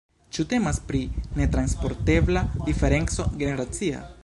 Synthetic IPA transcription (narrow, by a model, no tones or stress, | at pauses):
t͡ʃute̞maspɾine̞tɾanspo̞ɾte̞blad̥ife̞ɾe̞nt͡so̞ɡe̞ne̞ɾat͡sia̰